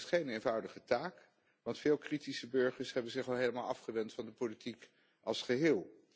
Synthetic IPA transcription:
sχejnejnvʌwdəχətaːk | ʋɑntfɪːlˠkritisəbɵɹχəɹsɦɛbənzɪχɑlˠɦejləmaːlˠɑfχəʋɛntfɑndəpolitik | ʔɑ̰lˠsχəɦɪːlˠ

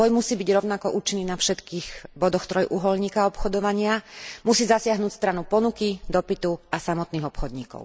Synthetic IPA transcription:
ɔjmusiːbiɟɾɔʊnakɔʔuːt͡ʃinːiːnafʃɛt̪kiːxbɔd̪ɔxt̪ɾɔjʔuɦɔlɲiːkaɔpxɔd̪ɔʋaɲɪamusiːzasɪaɦnuːcst̪ɾanupɔnukid̪ɔpit̪uasamɔt̪niːɣɔpxɔd̪ɲiːkɔ̰ʊ

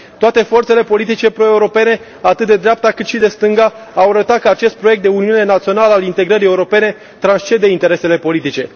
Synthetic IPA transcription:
t̪oat̪e̞fo̞rt̪se̞le̞po̞lit̪̬it͡ʃe̞pɾo̞e̞uɾo̞pe̞ne̞ | at̪ɨt̪̚d̪e̞d̪ɾeap̚t̪akɨt̪ʃid̪e̞st̪ɨŋɡa | awaɾət̪at̪̚kəat͡ʃe̞st̪̚pɾo̞jek̚t̪d̪e̞uniune̞nat̪sio̞naləalint̪e̞ɡɾəɾijeuɾo̞pe̞ne̞ | t̪ɾanst͡ʃe̞d̪eint̪e̞ɾe̞se̞le̞po̞lit̪it͡ʃe̞

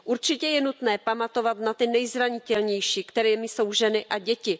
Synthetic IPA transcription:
ʔuɾt͡ʃɪcɛjɛnut̪nɛːpamat̪o̞vat̪nat̪ɪnɛjzɾaɲɪt̪ɛlɲɛjʃiːkt̪ɛɾɛːmɪso̞wʒɛnɪʔaɟɛcɪ

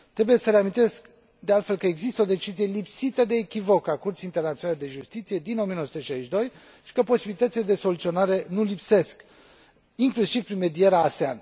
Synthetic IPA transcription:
t̪ɾe̞buje̞səɾeamint̪e̞sk | d̪e̞alt̪fe̞lkəeɡzist̪əo̞d̪e̞t͡ʃizije̞lipsit̪əd̪e̞ːkʲivo̞kakurt̪siːnt̪e̞rnat̪sionaled̪e̞ʒust̪it̪sije̞d̪ino̞mijenosut̪əʃaiʃd̪o̞j | ʃi̥kəpo̞sibilit̪ət̪sile̞d̪e̞so̞lut̪sio̞naɾe̞nulipse̞sk | iŋklusivpɾinme̞d̪ie̞ɾaːsea̰n

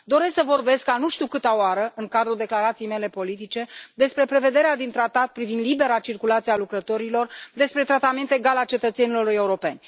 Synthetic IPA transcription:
d̪o̞ɾe̞sksəvo̞rbe̞skanuʃt̪iukɨt̪aoaɾəɨŋkad̪ɾud̪e̞klaɾat̪sijme̞le̞po̞lit̪̬it͡ʃe̞d̪e̞spɾe̞pɾe̞ve̞d̪e̞ɾead̪int̪ɾat̪at̪̚pɾivind̪libe̞ɾat͡ʃirkulat̪sialukɾət̪o̞ɾilo̞rd̪e̞spɾe̞t̪ɾat̪ame̞nt̪e̞ɡalalt͡ʃe̞t̪ət̪se̞nilo̞re̞uɾo̞pe̞nʲ

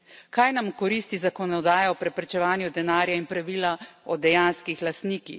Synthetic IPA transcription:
kajnamkɔɾiːst̪izakɔnɔd̪aːjɔɔpɾɛpɾɛt͡ʃɛʋaːnjud̪ɛnaːɾjainpɾaʋiːlaɔd̪ɛjanskixlast̪niːkix

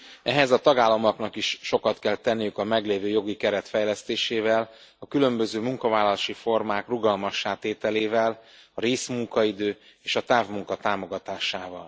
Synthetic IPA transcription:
ɛɦɛzɒt̪ɒɡaːlːɒmɒknɒkiʃʃo̞kɒt̪kɛlt̪ɛnːijykɒmɛɡleːvøːjo̞ɡikɛɾɛt̪fɛjlɛst̪eːʃeːvɛl | ɒkylømbø̞zøːmuŋkɒvaːlːɒlaːʃifo̞rmaːkruɡɒlmɒʃːaːt̪eːt̪ɛleːvɛlɒɾeːsmuŋkɒid̪øː | eːʃɒt̪aːvmuŋkɒt̪aːmo̞ɡɒt̪aːʃaːvɒl

